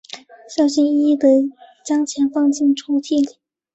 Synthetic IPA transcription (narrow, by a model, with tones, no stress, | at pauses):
ɕjɑ˥ʊɕi˥n˥d̪ə˧˥t͡ɕjɑ˥ŋt͡ɕʰjɛ˧˥nfɑ˥˧ŋt͡ɕʰi˥˩ŋʈ͡ʂʰu˧˥t̪ʰi˥˩